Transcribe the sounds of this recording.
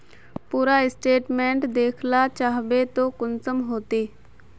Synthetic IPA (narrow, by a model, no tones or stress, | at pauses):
puːɾaɪsʈeːʈmẽːɳʈd̪eːkʰlat͡ʃaːɦʋet̪okʊnsəmɦoːt̪eː